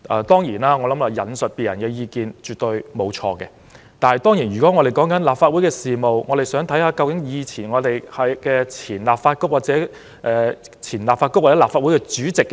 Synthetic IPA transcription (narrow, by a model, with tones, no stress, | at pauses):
ʔɛː˨˧t̪ɔː˥ŋjiː˨˩naː˥ŋɔː˨˧lɐ˨˥maː˧jɐ˨˥nsɵ˨t̚piː˨t̚jɐ̰˨˩nkɛː˧jiː˧kiː˧nt͡ʃyː˨t̚t̪ɵ˧ɥmo˨˧wt͡ʃʰɔ̰ː˧kɛ̰˧ | t̪aː˨nhɐ˨jt̪ɔː˥ŋjiː˨˩njyː˨˩kɔː˨˥ŋɔː˨˧ɾe˨˩jkɔː˨˥ŋkɐ˨˥nlaː˨pfaː˧t̚wu˨˥jkɛː˧siː˨mo˨wŋɔː˨˧ɾe˨˩jsœː˨˥ŋt̪ʰɐ˨˥jhaː˨˧˥kɐ˧wkɪ˨˧˥ŋjiː˨˧t͡sʰiː˨˩nŋɔː˨˧t̪e˨˩jhɐ˨jkɛː˧t͡sʰiː˨˩nlaː˨˩p̚faː˧t̚kʊ˥k̚waː˨˩t̚t͡sɛː˨˥ | ʔɛː˨ | t͡sʰiː˨˩nlaː˨pfaː˧t̚kʊ˥waː˨˩ɛ˨˥laː˨˩pfaː˧t̚u˨˦˥kɛː˧t͡ʃyː˨˥t͡sɪ˨k̚ː